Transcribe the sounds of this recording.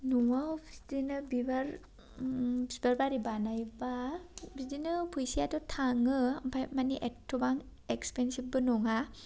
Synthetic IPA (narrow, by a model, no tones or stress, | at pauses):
nuŋaɔbʰi̥sdinɯbibaɾ | bsbaɾbaɾibanajbabidinɯpʰujsiatɔtʰaŋɯampʰajmaniʔetʰːubaŋ | ekspensibɯnuŋa